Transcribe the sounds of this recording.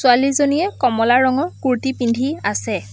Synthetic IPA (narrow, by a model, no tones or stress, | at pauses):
sʊalizonijɛkɔmɔlaɹɔŋɔkuɹtipindʱiasɛ